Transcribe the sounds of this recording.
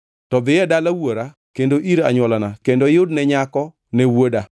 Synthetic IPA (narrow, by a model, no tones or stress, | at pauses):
tɔd̪ɪjɛdalawoɾa | kendoʔiɾaɲwɔlanakendojʊdnɛɲakɔ | nɛwoda